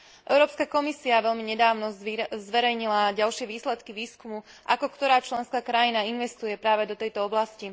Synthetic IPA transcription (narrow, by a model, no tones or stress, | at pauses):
ʔɛ̰ʊɾɔːpskakɔmisiaʋɛʎmiɲɛd̪aːʊnɔzʋɛɾɛjɲilaɟalʃɪɛʋiːslɛt̪kiʋiːskumu | ʔakɔkt̪ɔɾaːt͡ʃlɛnskaːkɾajinainʋɛst̪ujɛpɾaːʋɛd̪ɔt̪ɛjt̪ɔɔblasci